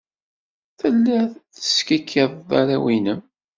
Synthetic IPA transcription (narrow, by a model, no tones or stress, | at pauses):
θəlːæθθə̥skækʰːeðˤða̰ɾæwinəm